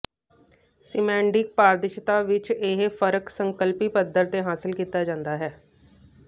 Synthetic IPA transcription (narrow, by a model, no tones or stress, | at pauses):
sɪmɛ̃ːɳɖɪk̚paːɾd̪ɪʃt̪aːʋɪt͡ʃɪɦfʰəɾəksəŋkəlpiːpəd̪əɾt̪eːɦaːsɪlkiːt̪aːd͡ʒãːnd̪aːɦɛː